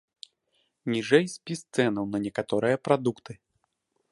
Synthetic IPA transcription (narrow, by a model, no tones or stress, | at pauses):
nʲiʐɛjsʲpʲist̪sɛnɐwnɐnʲɛkat̪ɔɾɨjɐpɾad̪ukt̪ɨ